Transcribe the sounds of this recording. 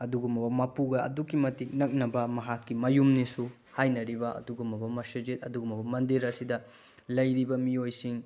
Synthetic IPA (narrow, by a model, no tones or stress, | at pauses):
ɐduɡumbɐbɐmɐpuɡɐɐ̰dukimɐtik̚nɐk̚nɐbɐmɐɦakːimɐjumnisu | hajnɐɾibɐʔɐ̰duɡumbɐbɐmɐsɐd͡ʒit̚ɐduɡumbɐbɐmɐndiɾɐsidɐ | lɐjɾibɐmiojsiŋ